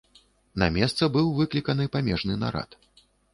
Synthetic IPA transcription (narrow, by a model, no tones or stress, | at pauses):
nɐ̰mʲɛst̪sɐbɨwvɨklʲikɐnɨpamʲɛʐnɨna̰ɾa̰t̪